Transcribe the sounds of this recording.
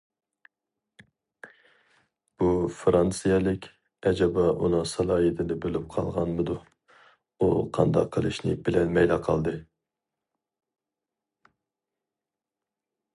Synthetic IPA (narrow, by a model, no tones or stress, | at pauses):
b̥ufɾɑnsɨjɛlˠɪkʲ | ɛd͡ʒɑbɑʔunɨŋsɑlˠɑːjit̪ʰɪd̪ɪbølyp̚qʰɑlˠʁɑnmɨd̪u | uqʰɑ̰nd̪ɑ̰qʰːəlˠɨʃnɨ̰bɪlɛnmɛjlɑqʰɑlˠd̪ɨ